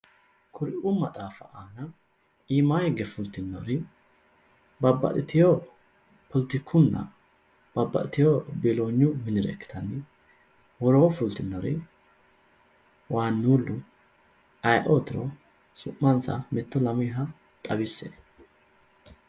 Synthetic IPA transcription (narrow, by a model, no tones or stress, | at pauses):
kʰʊɾɪʔʊmɐt̪ʼaːfɐʔaːnɐ | iːmaːhɪɡːɛfʊlt̪ɪnːɔɾɪ | bɐbːɐ̰ɗɪt̪ɪjo | pʰɔlt̪ɪkʰːʊnːɐ̰ | b̥ɐbːɐ̰ʔɪt̪ɪjobeloːɲːʊmɪnɪɾɛ̰kːɪ̥t̪ʰɐnːɪ | wɔɾoːfʊlt̪ɪnːɔɾɪ | waːnːuːlːʊ | ɐjʔoːt̪ɪɾɔ̰ | sʊʔːɐnsɐ̰mɛt̪ːɔlɐmɪɦɐ | t̪ʼɐbɪsːḛː